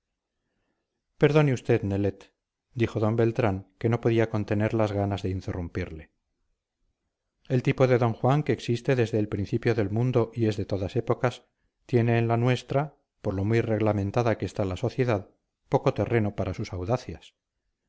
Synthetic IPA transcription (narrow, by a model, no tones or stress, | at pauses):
pe̞ɾðo̞neust̪e̞ðne̞le̞t̪ | d̪ixo̞ðo̞mbe̞lt̪ɾaŋke̞no̞po̞ðiako̞nt̪e̞ne̞ɾlazɣanazðe̞int̪e̞rumpiɾle̞ | e̞lt̪ipo̞ðe̞ðo̞ŋxwaŋke̞ːksist̪e̞ðe̞zðe̞ːlpɾinθipjo̞ðe̞lmũnd̪o̞ʔie̞zðe̞t̪o̞ðase̞po̞kas | t̪je̞ne̞ːnlanwe̞st̪ɾa | po̞ɾlo̞mujre̞ɣlamẽ̞nt̪aðakest̪alaso̞θje̞ðað | po̞ko̞t̪e̞re̞nopaɾasusawðaθjas